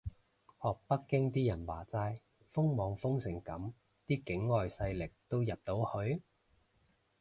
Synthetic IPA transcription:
hɔː˨k̚pɐ˥kkːɪ˥ŋt̪iː˥jɐ˨˩nwa̰ː˨˩t͡saː˧j | fʊ˥ŋmɔː˨˧˥ŋfʊ˥ŋsɪ˨˩ŋkɐ˨˥m | t̪iː˥kɪ˨˥ŋːɔː˨jsɐ˧jlɪ˨k̚t̪o˥wjɐ˨p̚t̪o˨˥whɵ˨˧ɥ

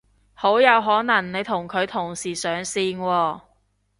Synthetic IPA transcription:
ho˨˥wjɐ˨˧wɦɔː˨˥nɐ˨˩ŋne˨˧jt̪ʰʊ˨˩ŋkʰɵ˨˧ɥt̪ʰʊ˨˩ŋsiː˨˩sœː˨˧ŋsiː˧nwɔː˧

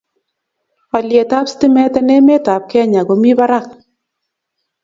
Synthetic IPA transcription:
a˨ljɛ˨ta˦pstɪ˦mɛ˦tɛ˦nɛ˦me˦ta˨p̚kɛ˦ɲa˨ɡo˨˦mi˦ba˦ɾa˦˨k̚

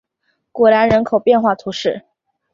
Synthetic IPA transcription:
kwɔ˧˥la˧˥nɻə˧˥nkʰo˨˩ʊpjɛ˥˧nxwa˥˩t̪ʰu˧˥ʂɻ̩˥˩

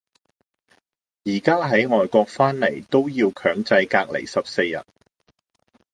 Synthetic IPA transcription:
jiː˨˩kaː˥ɦɐ˨˥jŋɔː˨jkɔː˧k̚faː˥nle˨˩jt̪o˥wjiː˧wkʰœː˨˥ŋt͡sɐ˧jkaː˧k̚lḛ˨˩jsɐ˨p̚se˧jjɐ̰˨˩t̚

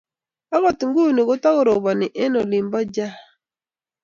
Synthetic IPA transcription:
a˦ɣɔ˨t̪ŋɡu˦ni˨kʊ˦ta˦ko˨ɾo˨bɔ˨nɪ˨ʔɛ˦no˨lɪ˨mbɔ˦d͡ʒa˦

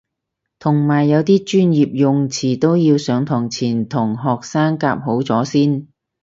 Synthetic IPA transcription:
t̪ʰʊ˨˩ŋmaː˨˩jːɐ˨˧wt̪iː˥t͡ʃyː˥njiː˨p̚jʊ˨˧ŋt͡sʰiː˨˩t̪o˥wjiː˧wsœː˨˧˥ŋt̪ʰɔː˨˩ŋt͡sʰiː˨˩nt̪ʰʊ˨˩ŋɦɔː˨k̚saː˥ŋkaː˧p̚ɦo˨˥wt͡sɔː˨˥siː˥n

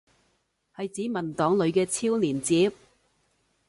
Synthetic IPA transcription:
hɐ˨jt͡siː˨˥mɐ˨˩nt̪ɔː˨˥ŋlɵ˨˧ɥkɛː˧t͡sʰiː˥wnliː˨˩nt͡siː˨˥p̚

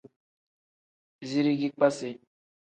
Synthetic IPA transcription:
zi˦ɾi˦ɡi˦k͡pa˦se˨

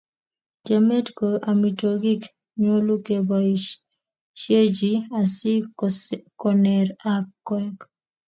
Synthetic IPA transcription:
d͡ʒa˨me˦tko˨ʔa˨mi˨to˨ɡi˦k | ɲo˦lu˦ke˨ba˨ | ʃe˦d͡ʒi˦a˨si˦ | kɔ˨nɛ˨ɾakːɛ˦k

